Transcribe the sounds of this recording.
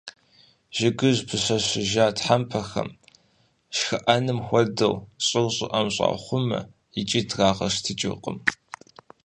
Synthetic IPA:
ʒ̥ɪɡɨʑpʰɨɕɐɕɪʒaːtħampʰɐxɐ̰m | ʃxɐʔɐnɨmxʷɔdɨwɕʼɪlɕʼɪʔɐmɕʼɑ̰ːχʷʊmɐ̰ | jɪt͡ʃʼitraːʁɐ̰ʂtʰɨt͡ʃʼɪ̰qʼə̰m

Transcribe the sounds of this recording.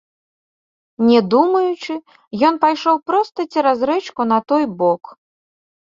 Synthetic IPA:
nʲɛd̪umɐjut͡ʂɨ | jɔnpajʂɔwpɾɔst̪ɐt͡sʲiɾazɾɛt͡ʃkunɐt̪ɔjbɔk

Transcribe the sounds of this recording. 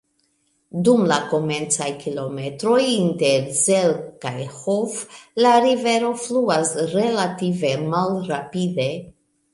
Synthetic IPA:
dumlako̞me̞nt͡sajkʰilo̞me̞tɾo̞jinteɾzelkajhoflaɾive̞ɾo̞fluasɾe̞lative̞malɾapide̞

